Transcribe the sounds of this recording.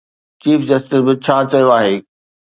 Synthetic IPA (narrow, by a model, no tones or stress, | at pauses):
t͡ɕiːfd͡ʑɐsʈɪsbɪt͡ɕʰaːt͡ɕɐjoaːɦeː